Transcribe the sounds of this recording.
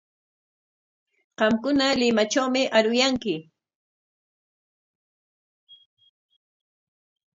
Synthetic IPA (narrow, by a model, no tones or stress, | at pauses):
qɑmkʊnalɪmat͡ʃawmɪʔaɾʊjaŋkɪ